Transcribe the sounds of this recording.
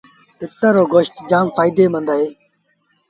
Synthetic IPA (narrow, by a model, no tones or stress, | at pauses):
t̪ɪt̪ːəɾoːɡoːʃt̪d͡ʒaːmfaːɪd̪eːmə̃nd̪aːɦeː